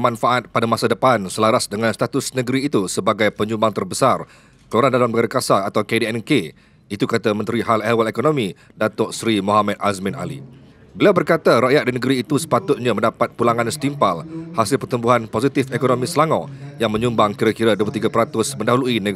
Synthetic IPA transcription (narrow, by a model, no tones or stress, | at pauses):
mãnfaʔat̪̚padamasadəpansəlaɾasdəŋãnst̪at̪ʊsnə̃ɡəɾiːt̪usəbaɡajpəɲũmbaŋt̪ərbəsar | kəluaɾandalanəɡaɾakasaat̪awkedeɛnke | it̪ukat̪amə̃nt̪ɾiɦalɛwalekonõmĩ | dat̪ɔʔsɾimoɦamɛt̪̚ʔasmɪ̃na̰lḭ | bəliawbərkat̪aɾaʔjat̪̚dinəɡəɾiːt̪usə̥pat̪ʊt̪̚ɲãmə̃ndapat̪̚pulaŋãnsə̥t̪impalhasɪlpərt̪umbuɦanposit̪ɪfekonõmĩsəlaŋɔ̃jaŋmə̃ɲũmbaŋkiɾakiɾaduəp̬ut̪iɡapəɾat̪ʊsmə̃ndaɦuluinə